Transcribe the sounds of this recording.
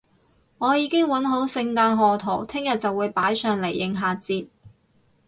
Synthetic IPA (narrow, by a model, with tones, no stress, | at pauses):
ŋɔː˨˧jiː˨˧kɪ˥ŋwɐ˨˥nɦo˨˥wsɪ˧ŋt̪aː˧nɦɔː˨t̪ʰo˨˩wt̪ʰɪ˥ŋjɐ˨t̚t͡sɐ˨wːuː˨˧jpaː˨˥jsœː˨ŋle˨˩jːɪ˨˩ŋɦaː˨˩t͡siː˧t̚